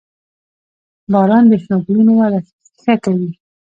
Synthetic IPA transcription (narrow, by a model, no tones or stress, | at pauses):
bɑɾɑnd̪əʃnaɡlunowalas | xakawi